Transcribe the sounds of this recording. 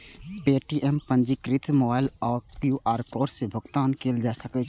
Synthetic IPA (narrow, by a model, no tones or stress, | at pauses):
peːʈiʔɛmpə̃nd͡ʒikɾɪt̪moːbaːɪlɔːɾkjuːʔaːɾkoːɾsebʱʊɡt̪aːnkeːld͡ʒaːsəke